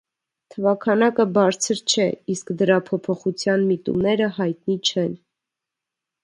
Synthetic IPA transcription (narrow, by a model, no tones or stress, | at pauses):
t̪ʰəvɑkʰɑnɑkəbɑɾt͡sʰəɾt͡ʃʰɛiskd̪əɾɑpʰɔpʰɔχut͡sʰjɑnmit̪ṵmnɛɾəhɑjt̪̚nit͡ʃʰɛn